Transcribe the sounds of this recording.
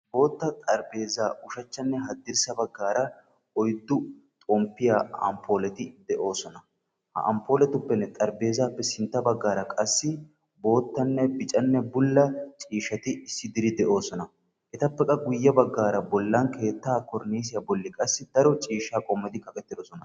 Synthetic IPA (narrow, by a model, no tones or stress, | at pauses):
bo̞ːt̪ːɐt̪ʼɐɾbe̞ːzaːʔʊʃɐt͡ʃːɐnːɛɦɐd̪ːɪɾsɐbɐɡːaːɾɐ | ɔjd̪ːʊt̪ʼɔmpːɪjaːɐ̰mpʰːoːlɛt̪ɪd̪ɛʔo̞ːsɔnɐ | hɐ̰ʔɐ̰mpːo̞ːlɛt̪ʊpːɛnːɛt̪ʼɐɾbe̞ːzaːpːɛsɪnt̪ːɐbɐɡːaːɾɐkʼɐsːɪ | bo̞ːt̪ːɐnːɛbɪt͡ʃʼɐnːɛbʊlːɐt͡ʃʼiːʃɐt̪ɪɪsːɪd̪ɪɾɪd̪ɛʔo̞ːsɔnɐ | ʔɛt̪ɐpːɛkʼɐɡʊjːɐbɐɡːaːɾɐbɔlːankʰe̞ːt̪ːaːkɔɾniːs̬ɪjabɔlːɪkʼɐsːɪd̪ɐɾɔt͡ʃʼiːʃːaːkʼɔmːɐd̪ɪkɐkʼɛt̪ːɪd̪ɔsɔnɐ